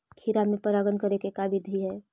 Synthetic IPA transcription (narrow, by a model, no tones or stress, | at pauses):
kʰiɾamẽpɐɾaːɡənkɐɾekekaːbʱɪd̪ʱiɦɛː